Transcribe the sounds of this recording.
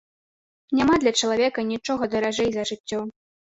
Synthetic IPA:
nʲamad̪lʲɐt͡ʂɐlˠavʲɛkɐnʲit͡ʂɔɣɐd̪ɐɾaʐɛjzɐʐɨtt͡sʲːɔ

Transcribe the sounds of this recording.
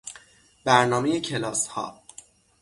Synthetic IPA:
b̥æɾnɒːme̞jecʰe̞lɒːshɒ̰ː

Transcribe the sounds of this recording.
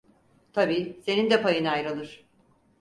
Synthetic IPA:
t̪ʰabiːse̞nind̪ɛpajɯnajɾalˠɯɾ̥

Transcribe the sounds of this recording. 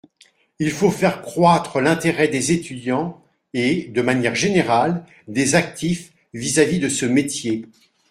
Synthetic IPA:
ilfofɛʁkχwat̪χəlɛ̃t̪eʁɛd̪ezet̪yd̪jɑ̃ | ed̪əmanjɛʁʒeneʁal | d̪ezak̚t̪if | vizavid̪əsəmet̪je

